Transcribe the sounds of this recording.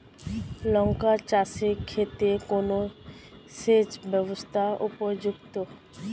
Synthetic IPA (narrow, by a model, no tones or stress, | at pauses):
lɔŋkat͡ʃasekʰːet̪ekono | sed͡ʑbɛbost̪ʰaʔupod͡ʑuɡt̪o